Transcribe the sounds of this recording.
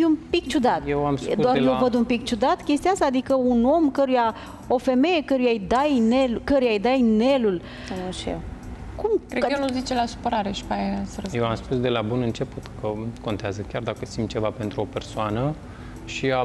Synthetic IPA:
iumpik̚t͡ʃud̪at̪jewamspduoaenovəd̪umpik̚t͡ʃud̪at̪kʲest̪iaasaːd̪ikəuno̞mkəɾuja | o̞fe̞me̞je̞kəɾujajd̪ajnelkəɾujajd̪ajne̞lul | ʃḛkumkɾeelozit͡ʃelasu̥pəɾaɾeʃi̥pajesəɾəjewamspusd̪e̞labunɨnt͡ʃe̞put̪kəko̞nt̪eazəkʲard̪akəsimt͡ʃe̞vape̞nt̪ɾuo̞pe̞rsoanə | ʃia

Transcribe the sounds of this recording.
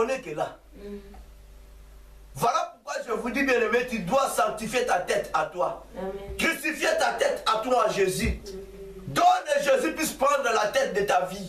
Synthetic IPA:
onekela | vwalapuʁkwaʒəvud̪ibjɛ̃nemɛ̃t̪yd̪wasɑ̃k̚t̪ifjet̪at̪ɛt̪at̪wakysifjet̪at̪ɛt̪at̪waːʒezy | d̪ɔ̃neʒezypɥispʁɑ̃d̪ʁəlat̪ɛt̪̚d̪ət̪avi

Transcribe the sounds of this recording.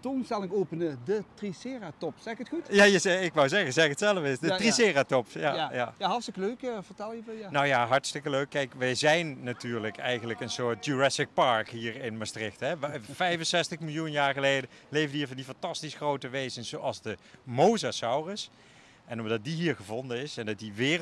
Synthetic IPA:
tonstɛlˠɪŋoːpənədətrisɪːratɔpsɛɪkətxutjajəzɛɪkʋɔwzɛɣəzɛətsɛlˠəvəɪsdətrisɪːratɔpjajajaɦɑlˠstɪkəløɥkvəɹtɛlˠjəvjnowjaːɦɑɹtstɪkəløɥkːɛjkʋɛjzɛjnːatyːɹləkɛjɣənləkənsʊːɹt̚d͡ʒuɹɛsɪk̚pɑɹkɦiːɹɪnmastrɪxtɦɛfɛjvənsɛstəχmɪlˠjunjaːɹχəlejdəlejvdəiːɹvɑndifɑntɑstisχrowtəʋejzənz̥owɑlˠzdəmowzasɑwrəs | ʔɛnɔmdɑt̚diɦiːɹχəvɔndənɪsɛndɑt̚diʋɪː

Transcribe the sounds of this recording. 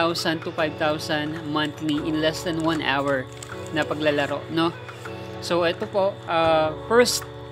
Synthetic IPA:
awsɐnt̪ufajb̚t̪awsɐnmɐ̃nt̪liʔɪnlɛsd̪ɐnwɐ̃nʔa̰wɛɹ | nɐpɐɡlɐlɐɾo̞̰ʔno | sowʔɛt̪opo̞ʔʔafɛɹst̪̚

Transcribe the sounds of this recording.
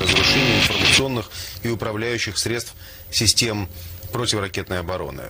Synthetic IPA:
əzɾʊʂɛnʲɪjɪnfərmət̪sɨo̞nːɨxɪʊpɾɐvlʲæjʉɕːɪxsɾʲe̞t̪st̪f | sʲɪsʲtʲe̞mpɾo̞tʲɪvəɾɐkʲe̞t̪nəjɐbɐɾo̞̰nɨ̰

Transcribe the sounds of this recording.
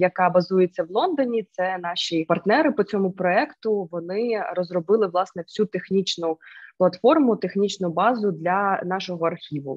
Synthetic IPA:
jɐkɑbɐzujet͡sʲːɐʋlˠɔnd̪ɔnʲit̪sɛnɑʃʲipɐrt̪nɛɾɪpɔt͡sʲɔmʊpɾɔɛkt̪ʊʋɔnɪrɔzrɔbɪlˠɪʋlˠɑsnɛwsʲut̪exnʲit͡ʃnʊplˠɐt̪fɔrmʊt̪exnʲit͡ʃnʊbɑzʊd̪lʲɐnɑʃɔɦɔɐrxʲiʋʊ̰

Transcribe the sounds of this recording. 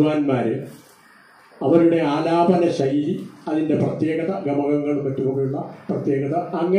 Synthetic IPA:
aːnmaːɾɨ | ɐʋɐɾuɽe̞aːlaːbɐnɐɕɐjiliɐðinde̞prɐt̪jeːɡɐðɐɡɐmɐɣɐŋːɐɭumːɐtːupoɳːijuɭːɐprɐt̪je̞ːɣɐðɐːŋːɐ

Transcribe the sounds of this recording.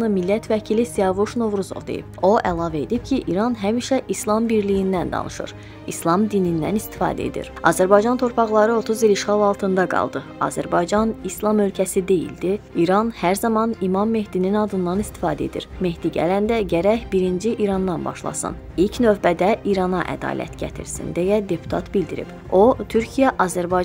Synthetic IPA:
nɯmilːæt̪ʰvæcʰilisiɑvuʃno̞vɾuzo̰vd̪ḛjḭb̥̚o̞ʔælˠɑːvæe̞d̪ip̚cʰiʔḭɾɑnɦæmiʃæʔislˠɑmbiɾlijind̪ænd̪ɑ̰nʔɯ̰ʃɯ̰ɾ | islˠɑmd̪inind̪æ̰nist̪i̥fɑ̰ːd̪æ̰ḛd̪ḭɾɑ̰ːzæɾbɑjd͡ʒɑnt̪ʰo̞ɾpʰɑʁlˠɑɾɯo̞t̪ʰuziliʃχɑlˠɑlˠt̪ʰɯnd̪ɑɡɑ̰lˠd̪ɯ | ɑ̰zæɾbɑjd͡ʒɑnislˠɑmølcʰæsid̪e̞jḭld̪iiɾɑnhæɾzɑmɑnimɑmːe̞hd̪ininɑd̪ɯnd̪ɑnist̪i̥fɑːd̪æe̞d̪ḭɾme̞ɦd̪iɟæ̰lænd̪æɟæɾæçbiɾind͡ʒiʔiɾɑnd̪ɑnbɑ̰ʃlˠɑ̰sɯ̰n | ilcʰnø̞vbæd̪æʔiɾɑnɑʔæ̰d̪ɑ̰ːlʔæ̰t̪ɟæ̰t̪ʰḭɾsḭnd̪ejæd̪e̞pʰu̥t̪ʰɑ̰t̪bild̪iɾḭb̥ | o̞t̪ʰyɾcʰijæʔɑzæɾbɑ

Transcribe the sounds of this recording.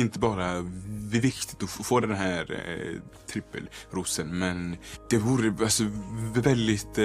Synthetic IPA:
ɪnt̪əbɑːɾavɪvɪkt̪ɪ̥t̪ɔfoːd̪ɛnɦæːɾ | t̪ʰɾɪpːə̰lɾʊsənmɛnd̪̥ɛvuːɾəalsɔɛld̪ɪt̪

